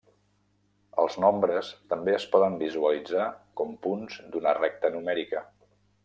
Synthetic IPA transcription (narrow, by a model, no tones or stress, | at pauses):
ə̰lˠznɔmbɾəst̪əmbeəspɔðəmbizuəlid͡zakɔmpunzd̪unərɛk̚t̪ənumɛɾikə